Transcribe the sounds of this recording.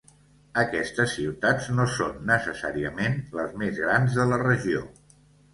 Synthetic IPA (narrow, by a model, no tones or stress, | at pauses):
əkɛst̪əsːiwt̪ad͡znosonːəsəsa̰ɾiəmenləzmezɣɾanzðələrəʒio